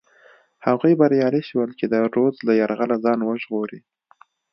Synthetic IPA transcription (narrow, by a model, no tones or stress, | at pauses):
haɣujbaɾjɑliʃiwəlt͡ʃed̪əɾozlajaɾɣalazɑnwəʒɣoɾi